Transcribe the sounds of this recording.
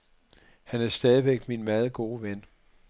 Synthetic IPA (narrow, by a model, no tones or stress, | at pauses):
hænæɐsd̥ɛːð̞ˠiʋeɡ̥minmæð̞ˠɡ̥o̝ːʋen